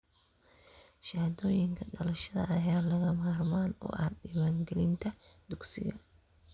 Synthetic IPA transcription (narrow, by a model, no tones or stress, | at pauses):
ʃaːd̪ɔːjɪŋkʰɐɖɐlɐʃɐðɐ̰ʔɐjaːlɐɣɐmaːrmaːnɔ̰ːʔɐɗiːwaːŋɡɛlɪnt̪ʰɐd̪̥ʊɡsɪ̰ɣɐ